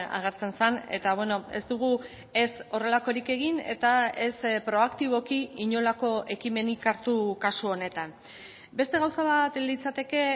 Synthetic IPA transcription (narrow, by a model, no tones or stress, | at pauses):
a̰ɣ̞e̞ɾt͡se̞nsane̞̰t̪aβwe̞no̞e̞̰zd̪uɣ̞u | e̞so̞re̞lako̞ɾike̞ɣ̞ine̞̰t̪ae̞spɾo̞akt̪iβ̞o̞kiiɲo̞lako̞e̞kime̞nikaɾt̪ukasuo̞ne̞t̪an | be̞st̪e̞ɣ̞awsaβat̪lit͡sat̪e̞ke̞